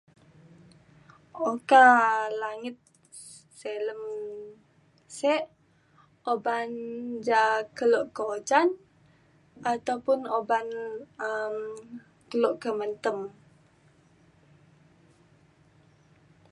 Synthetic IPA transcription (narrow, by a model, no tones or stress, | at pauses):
okalaŋɪt̪̚ | seləm | sɛʔ | oband͡ʒakəloʔkəot͡ʃan | ʔat̪awpʊnobanəm | kəloʔkəmənt̪əm